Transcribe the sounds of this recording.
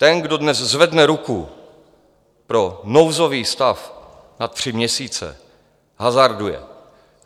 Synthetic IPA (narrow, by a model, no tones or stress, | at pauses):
t̪ɛnɡdo̞dnɛzzvɛdnɛɾuku | pɾo̞nowzo̞viːst̪af | nat̪ːr̝̥ɪmɲɛsiːt͡sɛ̰ | ɦazaɾdujɛ̰